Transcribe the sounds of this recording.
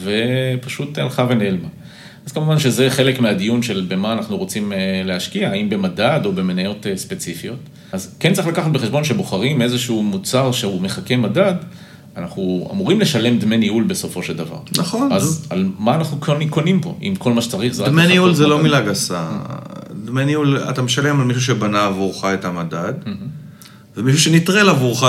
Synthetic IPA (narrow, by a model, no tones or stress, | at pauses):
ve̞paʃutalχave̞nelma | az̥kamuvanʃe̞ze̞χe̞le̞kmead̪ijunʃe̞lbe̞maːnaχnuʁo̞t͡simleaʃkiaimbe̞madado̞be̞menajo̞tespe̞t͡sifio̞t | azkent͡saʁiχlakaχat̚beχeʃbo̞nʃe̞bo̞χaʁime̞zeʃuumut͡saʁʃe̞ume̞χake̞madad | anaχnua̰muʁimle̞ʃale̞md̪meniulbe̞so̞fo̞ʃe̞ld̪ava̰ʁnaχonazalmaːnaχnukko̞nimpo̞̰ʔḭmko̞lmaʃet͡saʁiχzedakmeniulzelo̞milaɡasa̰ | dmeniula̰tameʃale̞malmiʃ̬uʃebanaːvuʁχaetamadad̪m̩ɦ | vemiʃuʃenitʁelavuʁχa